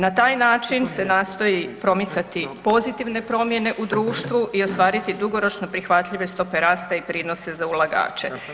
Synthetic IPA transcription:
nat̪aːjnaːt͡ʃinse̞naːst̪o̞jipɾo̞mit̪sat̪ipo̞zit̪iʋne̞pɾo̞mje̞ne̞ʔud̪ɾuːʃt̪ʋuʔio̞st̪ʋaːɾit̪id̪uɡo̞ɾo̞t͡ʃno̞pɾixʋat̪ʎiʋe̞st̪o̞pe̞ɾaːst̪aipɾiːno̞se̞zaulˠaɡa̰ːt͡ʃe̞

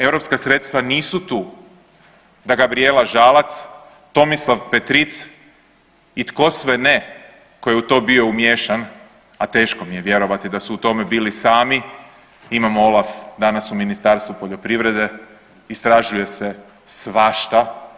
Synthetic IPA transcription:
e̞wɾo̞pskasɾet̪st̪ʋaniːsut̪uː | d̪aɡabɾielaʒaːlat̪s | t̪o̞mislˠaʋpet̪ɾit̪s | it̪ko̞sʋene | ko̞jeut̪o̞ːbio̞umjeʃan | at̪e̞ːʃko̞mije̞ʋje̞ɾo̞ʋat̪id̪asuːt̪o̞me̞biːlisaːmi | imamoolˠafd̪anasuminist̪aɾst̪ʋupo̞ʎo̞pɾiʋɾe̞d̪e̞ | ist̪ɾaʒuje̞se | sʋaʃt̪a

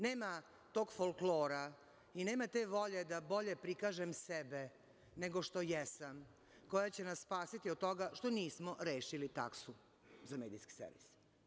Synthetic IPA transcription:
ne̞ːma | t̪o̞ːɡfolkloːɾa | ine̞ːmat̪eːʋo̞ʎe̞d̪abo̞ʎe̞pɾikaːʒemsebe | ne̞ɡo̞ʃt̪o̞jɛsam | ko̞jat͡ɕenassːpaːsit̪iod̪̚t̪o̞ɡaʃt̪o̞niːsmo̞ɾeːʃilit̪a̰ksu | zameːd̪iski̥sḛɾʋḭs

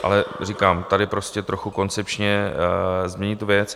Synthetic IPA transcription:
ʔa̰lɛr̝ikaːmt̪adɪpɾo̞scɛt̪ɾo̞xuko̞nt͡sɛpt͡ʃɲɛ | zmɲɛɲit̪uvjɛt͡s

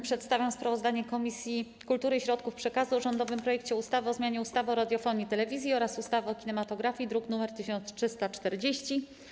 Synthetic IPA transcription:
pʂɛt̪st̪avʲjãspɾavɔzd̪aɲɛkɔmʲisʲji | kult̪uɾɘɕɾɔt̪kufpʂɛkazuʐɔnd̪ɔvɘmpɾɔjɛk̚t͡ɕɛust̪avɘɔzmʲjaɲɛust̪avɘɔɾad̪ʲjɔfɔɲit̪ɛlɛvʲizʲjiɔɾasust̪avɘɔkʲinɛmat̪ɔɡɾafʲid̪ɾuknumɛɾt̪ɘɕɔnt̪sʂɘst̪at͡ʂt̪ɛɾd͡ʑeɕt͡ɕi

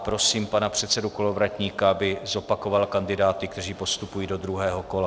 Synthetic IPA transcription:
pɾo̞siːmpanapr̝̥ɛt̪sɛduko̞lo̞vɾacɲiːkaabɪzo̞pako̞valkandɪdaːt̪ɪk̚t̪ɛriːpo̞st̪upujiːdo̞d̪ɾuɦɛːɦo̞ko̞la

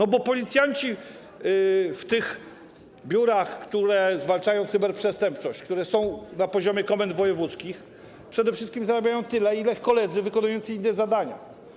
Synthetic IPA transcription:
nɔbɔpɔlʲit̪sʲjaɲt͡ɕi | ft̪ɪx | bʲjuɾaxkt̪uɾɛzvalt͡ʂajɔ̃w̃t̪sɘbɛɾpʂɛst̪ɛmpt͡ʂɔɕt͡ɕk̚t̪uɾɛsɔ̃w̃napɔʑɔmʲjɛkɔmɛnd̪vɔjɛvut̪skʲix | pʂɛd̪ɛfʂɘst̪kʲimzaɾabʲjajɔ̃w̃t̪ɘlɛilɛxkɔlɛd̪zɘvɘkɔnujɔnt̪sɘinːɛzad̪aɲa̰

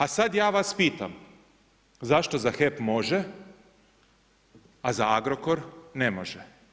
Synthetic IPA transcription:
asad̪jaːʋaspiːt̪am | zaʃt̪o̞zaxepmo̞ʒe | azaaɡɾokoɾnemoʒɛ

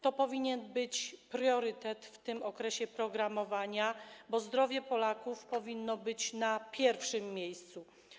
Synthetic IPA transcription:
t̪ɔpɔvʲiɲɛnbɘt͡ɕpɾjɔɾɘt̪ɛt̪ft̪ɘmɔkɾɛɕɛpɾɔɡɾamɔvaɲabɔzd̪ɾɔvʲjɛpɔlakufpɔvʲinːɔbɘt͡ɕnapʲjɛɾfʂɘmːʲjejst̪su

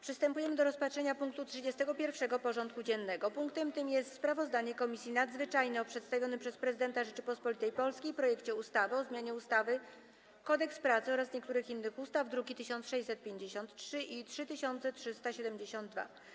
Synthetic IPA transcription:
pʂɘst̪ɛmpujɛmɘd̪ɔɾɔspatʂɛɲapuŋk̚t̪utʂɘd͡ʑɛst̪ɛɡɔpʲjɛɾfʂɛɡɔpɔʐɔnt̪̚kud͡ʑɛnːɛɡɔpuŋkt̪ɛmt̪ɘmjɛst̪spɾavɔzd̪aɲɛkɔmʲisʲjinad̪zvɘt͡ʂajnɛɔpʂɛt̪st̪avʲjɔnɘpʂɛspɾɛzɘd̪ɛnt̪aʐɛt͡ʂɘpɔspɔlʲit̪ɛjpɔlskʲijpɾɔjɛkt͡ɕɛust̪avɘɔzmʲjaɲɛust̪avɘ | kɔd̪ɛkspɾat̪sɘɔɾasɲɛkt̪uɾɘxinːɘxust̪avd̪ɾuɡʲit̪ɘɕɔnt̪sʂɛjsɛt̪̚pʲjeɲd͡ʑeɕɔnt̪tʂɘʔitʂɘt̪ɘɕɔnt̪sɛtʂɘst̪aɕɛd̪ɛmd͡ʑeɕɔnd̪̚d̪va̰

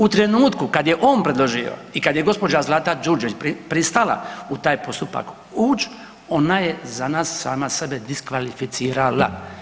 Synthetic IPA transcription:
ut̪ɾenuːt̪kukad̪jeʔo̞ːnpɾed̪lˠoʒio̞̰ikad̪jeɡo̞spo̞d͡ʒazlˠat̪ad͡ʒuɾd͡ʒit͡ʃpipɾist̪ala̰ut̪aːjpo̞st̪upa̰k | uːt͡ʃ | o̞najezanaːsːa̰ːmasebed̪iskʋalifit̪siːɾala̰

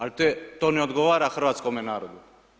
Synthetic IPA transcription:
alt̪ojet̪oːneod̪ɡoʋaːɾaxr̩ʋaːt̪skomenaːɾod̪u

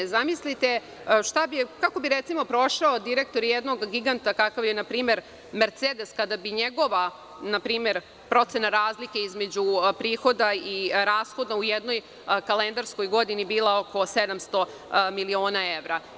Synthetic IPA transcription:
zamislit̪e | ʃt̪abikako̞biɾet̪simo̞pɾo̞ʃaod̪iɾe̞k̚t̪o̞ɾjed̪no̞ɡɡiɡant̪akakaʋjenapɾiːme̞ɾ | meɾt̪seːd̪e̞skad̪abiɲeɡo̞ʋa | napɾiːme̞ɾ | pɾo̞t̪se̞naɾaːzlike̞izme̞d͡ʑupɾiːxo̞d̪aiɾaːsxod̪naujɛd̪no̞j | kalend̪aɾsko̞jɡo̞d̪inibiːlˠao̞ko̞se̞d̪amst̪o̞ | milio̞ːnaeʋɾa

